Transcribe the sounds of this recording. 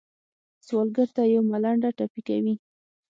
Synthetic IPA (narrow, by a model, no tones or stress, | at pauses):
swɑlɡəɾt̪ajawmalaɳɖaʈapikawi